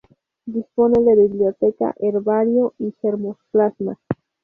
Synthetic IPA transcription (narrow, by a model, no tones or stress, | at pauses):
d̪isponeðeβiβljot̪eka̰ʔeɾβaɾjoixeɾmosplazma̰